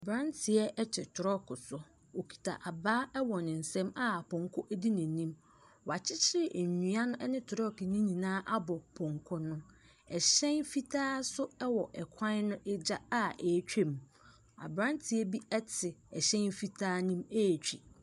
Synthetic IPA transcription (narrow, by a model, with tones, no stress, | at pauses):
bɾã˦ntʰɪ˨ɛ˦ʔɛ˦t͡ɕʰɛ˨tʰʊ˨ɾɔ˦kʰʊ˨sʊ˦ | wo˨kʰi̥˨tʰa̰˨ʔa˨baː˦ɛ˦wɔ˨nɪ̃˨n̩˨sɛ̃˦ma˦˨pʰɔ̃˨ŋkʰʊ˦ʔæ˦di˦nĩ˨nĩ˦m | wa˨t͡ɕʰɪ˦t͡ɕʰɪ˦ɾɪ˨ʔɲ˨ɲũ˨a˦nʊ̃˦ʔɛ˦nɪ̃˦tʰʊ˨ɾɔ˦knĩ˦ɲĩ˨nãː˦ʔa˦bɔ˨pʰɔ̃˨ŋkʰɔ˦nʊ̃˦ | ɛ˨ɕɛ̃˦nfi˦tʰaː˦sʊ˦ɛ˦wɔ˨ʔɛ˨kʷʰã˦nʊ̃˦ʔɛ˦d͡ʑa˦a˦e˨˦t͡ɕᶣe˦˨m | a̰˨bɾã˦ntʰɪ˨ɛ˦bi˦ɛ˦tʰɪ˨ɛ˨ɕɛ̃˦nfi˦tʰaː˦nĩ˦me˦˨t͡ɕᶣḭ˨